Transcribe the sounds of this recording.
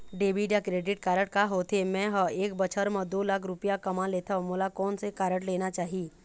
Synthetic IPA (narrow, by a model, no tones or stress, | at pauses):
ɖeːbiːɖjakɾeːɖɪʈ̚kaːɾəʈkaɦoːt̪ʰemɛ̃ɦəeːkbət͡ʃʰəɾmə̃d̪oːlaːkʰɾʊpijakɐmãleːt̪ʰãmʊlakɔːnsekaːɾəʈleːnat͡ʃaːɦieː